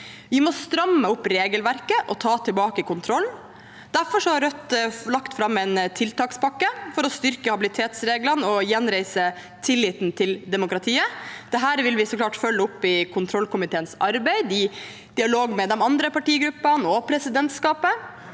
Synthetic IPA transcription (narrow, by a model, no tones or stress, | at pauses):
ʋɪmɔst̪ɾɑmːəʊpːɾeːɡəlʋæɾkəʔɔt̪ʰɑːt̪ʰɪlbɑːkəkʊnt̪ʰɾɔlː | d̪̥æɾfɔɾʂɔhɑɾœt̪ːlɑkt̪fɾɑmːɛɪnt̪ʰɪlt̪ɑːkspɑkːəfɔɾɔst̪ʏɾkəhɑbɪlɪt̪ʰeːt̪sɾeːɡlənɔjɛnɾæɪsə | t̪ʰɪlːɪːt̪nt̪ʰɪld̪ɛmʊkɾɑt̪ʰiːəd̪̥ɛɦæːɾʋɪlʋɪsɔklɑːʈfœlːəʊpːɪkʰʊnt̪ʰɾɔlkʊmɪt̪ʰeːənsɑɾbæɪd̪ɪ | d̪̥ɪɑloːɡmɛd̪ɛmɑnd̪ɾəpɑʈiːɡɾʉpːɑnɔpʰɾɛsɪd̪ɛnt̪skɑːpə